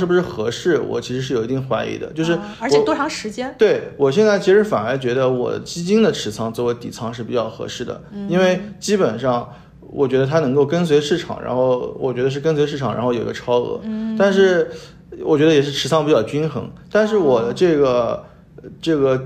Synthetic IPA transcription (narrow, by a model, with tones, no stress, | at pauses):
ɻ̩˥˩bu˩ʂɻ̩˥˩xɤ˧˥ʂɻ̩˥˩wɔ̰˨˩t͡ɕʰi˧˥ʂɻ̩˧˥ʂ̬ɻ̩˥˩o˨˩ʊi˧˥i˥˩ŋxwa˧˥ɪḭ˧˥˩d̪ə̰˧t͡ɕjo˥˧ʊʂ̬ɻ̩˥˩˧t̪wɔ˥ʈ͡ʂʰɑ˧˥ŋʂɻ̩˧˥t͡ɕjɛ˥nt̪we˥˩ɪwɔ˨˩ɕ̬jɛ˥˧nt͡sa˥˩ɪt͡ɕʰi˧˥ʂɻ̩˧˥fa˨˩nə˞˧˥t͡ɕɥɛ˧˥d̪ə˧wɔ̰˨˩d̪ə̰˦t͡ɕi˥t͡ɕi˥nd̪ə˨ʈ͡ʂʰɻ̩˧˥t͡sʰɑ˥ŋt͡sɹ̩˥˩we˧˥ɪt̪ḭ˨˩t͡sʰɑ˥ŋʂɻ̩˥˩pi˨˩t͡ɕjɑ˥˩ʊxɤ̰˧˥ʂɻ̩˥˩d̪ə̰˩i˥nwe˥˩ɪt͡ɕi˥pə˨˩nʂɑ˥˩ŋ | wɔ̰˨˩t͡ɕɥɛ˧˥d̪ə˧t̪ʰa˥nɤ˧˥ŋko˥˩ʊkə˥ns̬we˧˥ɪʂɻ̩˥˩ʈ͡ʂʰɑ̰˨˩ŋɻa̰˧˥nxo˥˩ʊwɔ̰˨˩t͡ɕɥɛ˧˥d̪ə˧ʂɻ̩˥˩k̬ə˥nswe˧˥ɪʂɻ̩˥ʈ͡ʂʰɑ˨˩ŋɻa̰˧˥xjo̰˨˩˧ɡə˧ʈ͡ʂʰɑ˥ʊɤ̰˧˥t̪a˥˧nʂɻ̩˥˩ | wɔ̰˨˩t͡ɕɥɛ˧˥d̪ə˧jɛ˨˩ʂ̬ɻ̩˥˩ʈ͡ʂʰɻ̩˧˥t͡sʰɑ˥ŋpi˧˥˩t͡ɕjɑ˥˩ʊt͡ɕi˥nxɤ̰˧˥ŋt̪a˥˧nʂ̬ɻ̩˥˩wɔ˨˩d̪ə˦ʈ͡ʂɤ˥˩ɡə˩ | ʈ͡ʂɤ˥˩ɡə˩